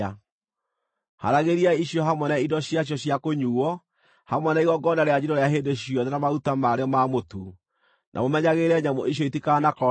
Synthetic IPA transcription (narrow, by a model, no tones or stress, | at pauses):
a | ha̰ɾaɣeɾiaiɕjɔɦamwɛnaidɔɕjaɕjɔɕjakoɲuɔ | hamwɛnaiɣɔɡɔnaɾead͡ʑiɾɔɾeaɦendeɕjɔðɛnamautamaɾeɔmamotu | nʔa̰momɛɲaɣeɾɛɲamoʔiɕ̬jɔitikanakɔ